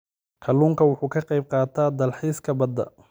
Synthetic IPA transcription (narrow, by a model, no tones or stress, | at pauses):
kʰɐluːŋkʰɐwʊħuːkʰɐqɑjb̚qɑːt̪ʰaːd̪ɐlħiːskʰɐbɐd̪ɐ̰